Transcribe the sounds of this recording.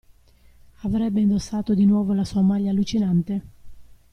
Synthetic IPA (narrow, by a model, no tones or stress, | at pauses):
avɾɛbːeind̪osːaːt̪od̪inwɔːvolasuːamaʎːaːlːut͡ʃinant̪e